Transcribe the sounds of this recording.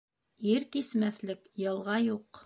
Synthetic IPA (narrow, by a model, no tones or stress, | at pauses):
iɾkismæθlɘkjɤ̆lˠʁɑjuq